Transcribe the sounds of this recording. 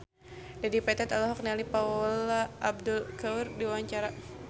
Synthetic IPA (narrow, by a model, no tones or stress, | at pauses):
dadipɛt̪ɛt̪alɔɦɔk̚nialipaulaʔːb̚dulkaurdiwaɲt͡ʃaɾa